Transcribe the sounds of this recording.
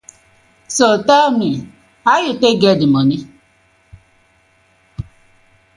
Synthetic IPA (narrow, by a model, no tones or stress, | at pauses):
sotami | ajʊteɡedɪmɔni